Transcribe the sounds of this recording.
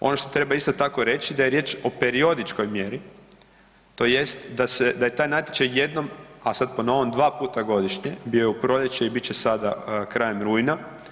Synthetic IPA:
o̞̰no̞ʃt̪o̞t̪ɾe̞baist̪ot̪ako̞ɾe̞t͡ʃid̪ajeɾje̞t͡ʃo̞pe̞ɾio̞d̪it͡ʃko̞jmje̞ɾi | t̪o̞je̞st̪d̪ase̞d̪aje̞t̪aːjnat̪ʲjet͡ʃajje̞d̪no̞masad̪̚po̞no̞ʋomd̪ʋaːpuːt̪aɡo̞d̪iʃɲebio̞jeupɾo̞ʎet͡ʃeibitt͡ɕesad̪akɾajemɾujna

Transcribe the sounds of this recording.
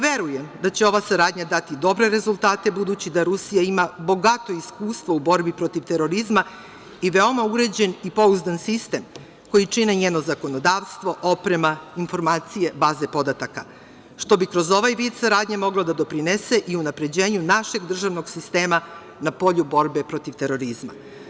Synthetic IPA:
ʋe̞ɾuje̞md̪at͡ɕe̞o̞ʋasaɾaːd̪ɲad̪at̪id̪o̞bɾe̞ɾe̞zulˠt̪aːt̪e̞bud̪ut͡ɕid̪aɾusijaimabo̞ɡat̪o̞iskuːst̪ʋoubo̞ɾbipɾo̞t̪iʋt̪e̞ɾo̞ɾizma | iʋe̞o̞mauɾe̞d͡ʑe̞nipo̞uzd̪ansist̪e̞m | ko̞jit͡ʂineɲeːno̞zako̞no̞d̪aːʋst̪ʋo̞ʔo̞pɾe̞mainfo̞ɾmaːt̪sije̞baːze̞po̞d̪at̪aka | ʃt̪o̞bikɾo̞zo̞ʋajʋiːd̪saɾaːd̪ɲemo̞ɡlod̪ad̪o̞pɾinese̞ʔiunapɾe̞d͡ʑe̞ːɲunaʃe̞ɡd̪r̩ʒaʋno̞ɡsist̪e̞ːma | napo̞ʎubo̞ɾbepɾo̞t̪iʋt̪e̞ɾo̞ɾizma̰

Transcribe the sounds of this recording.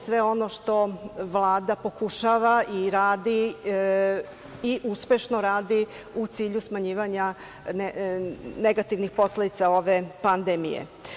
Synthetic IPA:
sʋe̞o̞noʃt̪o̞ʋlˠaːd̪apo̞kuʃaʋaʔiɾaːd̪i | iʔuspe̞ʃnoɾaːd̪i | ut̪siːʎusmaɲiːʋaɲa | n | neɡat̪iʋnixpo̞sled̪it̪sao̞ʋepand̪emḭjḛ

